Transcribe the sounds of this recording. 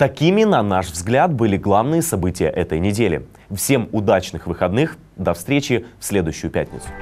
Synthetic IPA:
t̪ɐkʲimʲɪnɐnaʂvzɡlʲat̪̚bɨlʲɪɡlˠavnɨjəsɐbɨtʲɪjə̰ʔɛt̪əjnʲɪdʲelʲɪ̰ | fsʲe̞mʊd̪at͡ɕnɨxvɨxɐd̪nɨx | d̪ɐfst̪ɾʲet͡ɕɪfsʲlʲe̞d̪ʊjʏɕːʊjʊpʲæ̰t̚ʲnʲɪt̪sʊ̥

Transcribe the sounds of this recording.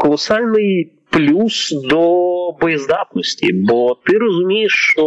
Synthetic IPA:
kəlˠɐsalʲnɨj | plʲusd̪obəjɪzd̪ap̪nəsʲtʲɪ̰bot̪ɨɾəzʊmʲejɪʂːt̪o

